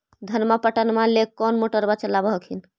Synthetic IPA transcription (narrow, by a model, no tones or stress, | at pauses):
d̪ʱənməpəʈənmalekːɔnmoʈəɾbat͡ʃəlabəɦəkʰin